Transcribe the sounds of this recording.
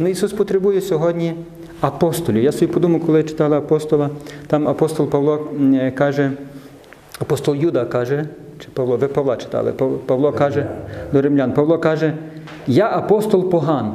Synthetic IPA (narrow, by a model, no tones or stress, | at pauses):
nʊisuspɔt̪ɾebujɛsʲɔɦɔdʲnʲi | ɐpɔst̪ɔlʲʊjasɔbipɔd̪umɐkɔlˠɪt͡ʃɪ̥t̪ɑlˠɪɐpɔst̪ɔlˠɐt̪ɑmɐpɔst̪ɔlˠpɐʋlˠɔkɑʒɛ | ɐpɔst̪ɔlˠjud̪ɐkɑʒɛt͡ʃɪ̥pɐʋlˠɔʋɪpɐʋlˠɑt͡ʃɪ̥t̪ɑ̰lˠɪ̰ppɐʋlˠɔkɑʒɛd̪ɔɾɪmlʲanpɐʋlˠɔkɑʒɛ | jaʔɐpɔst̪ɔlˠpɔɦɑn